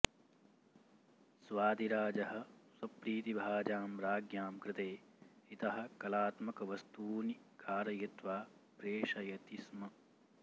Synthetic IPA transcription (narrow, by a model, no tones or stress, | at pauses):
sʋaːd̪iɾaːd͡ʒɐɦɐ̆swɐpɾiːt̪ibʱaːd͡ʒaːmɾaːɡjaːmkɾɪt̪eːit̪ɐɦɐ̆kɐlaːt̪mɐkɐʋɐst̪uːnikʰaːɾɐjɐt̪ʋaːpɾeːʃɐjɐt̪ismɐ